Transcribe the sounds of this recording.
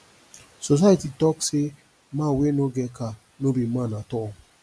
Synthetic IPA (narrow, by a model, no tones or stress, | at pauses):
sos̬aatitɔkse | mãwenoɡɛka | nobimãnatɔ